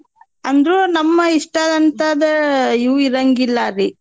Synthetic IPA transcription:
ɐnd̪ɾunɐmːɐiʂʈaːd̪ɐnt̪ad̪ɐiwiɾɐŋɡilːɐɾi

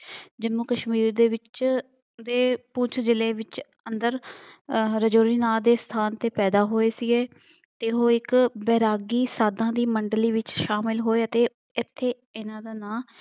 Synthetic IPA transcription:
d͡ʒəmuːkəʃmiːɾd̪eːʋɪt͡ʃ | d̪eːpʊt͡ʃʰd͡ʒɪleːʋɪt͡ʃ | ənd̪əɾ | ɾəd͡ʒoːɾiːnaːd̪eːst̪ʰaːnt̪eːpɛːd̪aːɦoːeːsiɡeː | t̪eːɦoːɪkbɛːɾaːɡiːsaːd̪ãːd̪iːməɳɖliːʋɪt͡ʃʃaːmɪlɦoːeːət̪eː | ɪt̪ʰːeː | ɪnãːd̪aːnãː

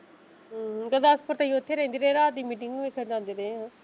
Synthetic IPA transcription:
ɡəd̪aːspəɾt̪aĩʊt̪ʰːeːɾɛ̃ːnd̪iːɾẽɾaːd̪iːmiːʈɪŋɡeːkʰəd͡ʒãːnd̪iːɾeːã

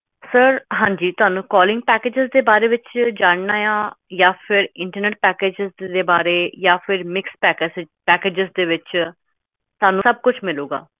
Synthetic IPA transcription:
səɾɦãːɲd͡ʒiːt̪ʊɦaːnũːkɔːlɪ̃ŋɡ̚pɛːkeːd͡ʒɪzd̪eːbaːɾeːʋɪt͡ʃd͡ʒaːɳnaːjãːjaːpʰɪɾɪ̃ɳʈəɾneːʈ̚pɛːkeːd͡ʒɪzd̪eːbaːɾeːjaːpʰɪɾmɪkspɛːks | pɛːkeːd͡ʒɪzd̪eːʋɪt͡ʃ | t̪ʊaːnũːsəb̚kʊt͡ʃʰmɪluːɡa̰ː

